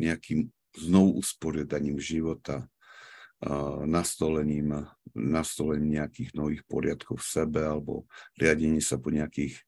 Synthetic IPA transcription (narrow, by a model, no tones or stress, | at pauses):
ɲɛakiːm | znɔʋuʔuspɔɾɪad̪aɲiːmʒiʋɔt̪a | nast̪ɔlɛɲiːmnast̪ɔlɛɲimɲɛakiːɣnɔʋiːxpɔɾɪat̪kɔʊfsɛbɛalɛbɔ̰ɾɪaɟɛɲɪɛsapɔɲɛakiːx